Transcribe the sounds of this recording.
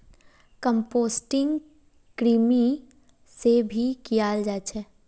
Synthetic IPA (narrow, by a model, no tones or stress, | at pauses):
kə̃mpoːsʈɪ̃ŋɡ | kɾiːmi | sebʱikijaːld͡ʒaːt͡ʃʰɛː